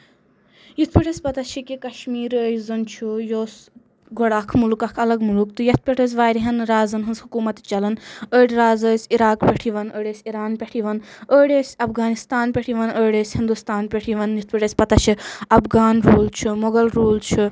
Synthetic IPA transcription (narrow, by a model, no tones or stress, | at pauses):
jit̪ʰpʲiʈʰɐsʲpɐt̪ɐt͡ʃʰikikɐʃmiːɾəːjzɨnt͡ʃʰujoːs | ɡoɽakʰmulukɐkʰɐlɐɡmulukt̪ɨjɐt̪̚ʰpʲeʈʰəs̬ʲʋaːɾiɦɐnɾaːzɨnɦɨnzhukuːmɐt̪t͡ʃɐlɐnəːɽɾaːzəsʲiɾaːkpʲeʈʰiʋɐnəːɖʲeːsʲiɾaːnpʲeʈʰiʋɐnəːɽeːsʲɐfʰɡaːnist̪aːnpʲeʈʰiʋɐnəːɽʲeːsʲhind̪ust̪aːnpʲeʈʰiʋɐnjit̪̚ʰpiʈɐsʲpɐt̪ɐt͡ʃʰiɐpɡaːnɾoːlt͡ʃʰumoɡɐlɾoːlt͡ʃʰu